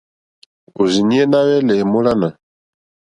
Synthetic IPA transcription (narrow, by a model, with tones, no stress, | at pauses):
o˨zi˨ni˦ɛ˦na˦wɛ˦lɛ˨mo˦la˦na˨